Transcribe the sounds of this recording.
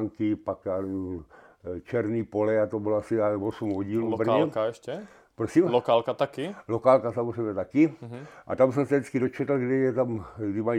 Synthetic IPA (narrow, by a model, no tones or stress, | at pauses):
ŋkipaka | t͡ʃɛɾniːpolɛat̪oboloasiavosumɦoɟiːluubrɛkaɛʃcɛ | pɾosiːmlokaːlkat̪akilokaːlkasamozrɛjbɲɛt̪akiʔa̰t̪amsɛmsɛdit͡skidot͡ʃɛt̪l̩ɡdɛjɛt̪amɡdimai